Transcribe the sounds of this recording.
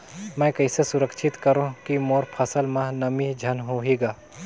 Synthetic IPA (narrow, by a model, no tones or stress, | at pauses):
mɛ̃ːkɐɪsesʊɾəkʃʰɪt̪kɐɾõkimoːɾpʰɐsəlmãnɐmid͡ʒʱɐnɦoːɦeːɡaː